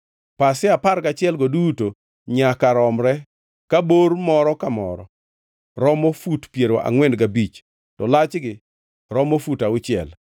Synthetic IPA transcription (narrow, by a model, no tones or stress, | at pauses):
pasɪaparɡat͡ʃɪɛlɡoduto | ɲakaɾɔmɾɛ | kabormɔɾɔkamɔ̰ɾɔ | ɾɔmofutpjeɾoʔa̰ŋwɛndɡabit͡ʃ | tɔlat͡ʃɡɪ | ɾɔmofutaʊt͡ʃɪɛ̰l